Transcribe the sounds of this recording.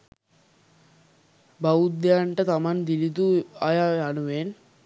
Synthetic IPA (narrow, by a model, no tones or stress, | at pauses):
bɐwud̪jaːɳʈɐt̪ɐmɐnd̪ilit̪uajaɐnuʋeːn